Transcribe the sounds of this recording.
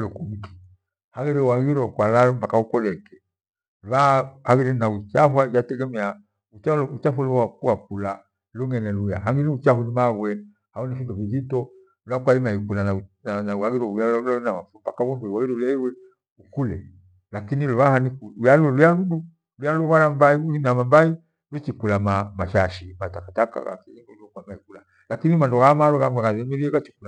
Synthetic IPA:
lɔkumiki̥ | haɣiɾɛwaɣiɾɔkwalaɔm̩pakaukɔlɛkɛ | lwahaɣiɾɛnaut͡ʃafwajatɛɡɛmɛa | ut͡ʃalɔut͡ʃafaluwakuak̚ula | luŋɛnɛluja̰ɦaŋɡiniut͡ʃahunimaɣwɛ | haunifindɔviðitɔ | luakwalimaikulanananauaɡiɾɔujalɔlainamafumpakawɛŋɡuiwawidulɛiwɛ | ukulɛ̰ | lakiniluwahanikulujalulujaludu | lujalɔβaɾambaiuinamambai | lut͡ʃikulamamaʃaʃimatakataka̰la̰kinilkwaimaikula | lakinimandɔɣamalɔɣamɡwakazɛmɛɾiɛkat͡ʃi̥kula

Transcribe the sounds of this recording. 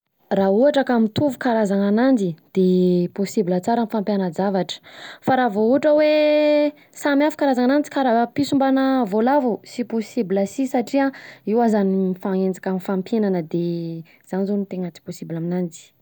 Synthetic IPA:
rauɦaʈ͡ʂakamit̪uvukaɾazaŋanand͡zid̪̥eposibilət͡saɾanfampjanəd͡zavaʈ͡ʂə̥faɾavouaʈ͡ʂəwe | samiafu̥kaɾazaŋanand͡zi̥kaɾapisumbanəvolavusiposibiləsisaʈ͡ʂiaiwazanimifaŋend͡zakamifampjenanəd̪e | z̥anizonit̪eŋat͡si̥posibilaminand͡zi̥

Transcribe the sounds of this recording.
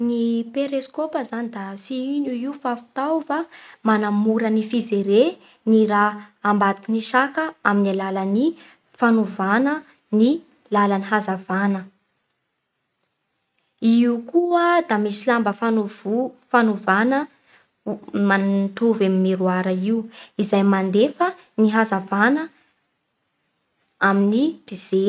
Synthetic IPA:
nipeɾeskopəzanid̪asiinuiufafi̥t̪awfamanamuɾənifizeɾe | niɾaːmbat̪kiniʃakəaminilalani | fanuvanə | ni | lalaniɦazavanə | iukuəd̪amisilambəfanuvufanuvanə | mant̪uvamimiɾuaɾəiuizajmand̪efə | niɦazavanə | aminipiz̥e

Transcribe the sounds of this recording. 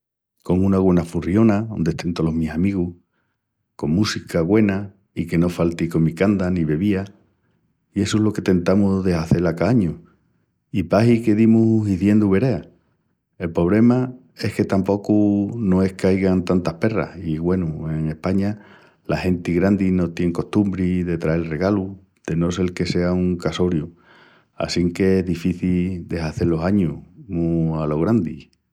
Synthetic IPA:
ko̞ŋũnaɣwe̞nafurio̞nao̞nd̪e̞ht̪ent̪olo̞misamiɣuh | ko̞ŋmusikaɣwe̞na | ike̞no̞falt̪iko̞mikand̪aniβe̞βia | ie̞soelo̞ke̞t̪e̞nt̪amuðe̞saθe̞lakaaɲu | ipaɦike̞ðimuɦɦiðje̞nd̪uβe̞ɾe̞a | e̞lpɾo̞β̞le̞ma | e̞hke̞t̪ampo̞kunõ̞e̞hkajɣant̪ant̪ahpe̞ra̰hiɣwe̞nue̞ŋe̞hpaɲa | lahe̞nt̪iɣɾand̪ino̞t̪je̞ŋko̞ht̪umbɾiðe̞t̪ɾae̞lre̞ɣalu | d̪̥e̞nose̞lke̞se̞auŋkaso̞ɾju | a̰siŋke̞eɦðifiθild̪e̞ɦaθe̞lo̞ɦaɲunualo̞ɣ̞ɾand̪ḭ

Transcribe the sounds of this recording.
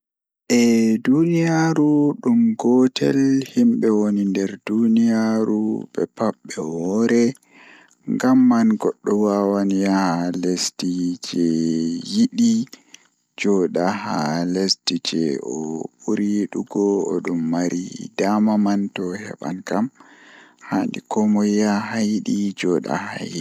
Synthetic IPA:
ʔɛdunijaɾuɗumɡɔtʰɛlhimɓɛwonindɛɾdunijaɾuɓɛ̰paɓːɛwɔɾɛ | ŋɡamːanɡɔɗːɔwawanijahalestid͡ʒɛjiɗi | d͡ʒɔɗahalestid͡ʒɛ̰ɔɓuɾiɗuɡɔ̰ːɗumːaɾʔḭdamamantɔhɛ̰ɓa̰nkam | handḭkɔmɔjaɦajiɗid͡ʒɔɗa̰ha̰jii

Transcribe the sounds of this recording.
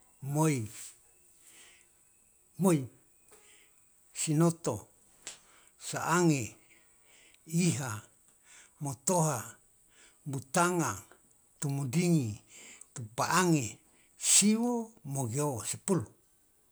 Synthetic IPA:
moi | moi | sinot̪o | saʔaŋe | iɦa | mot̪oɦa | but̪aŋa | t̪umudiŋit̪upaʔaŋe | siwomoɡiowasipulu

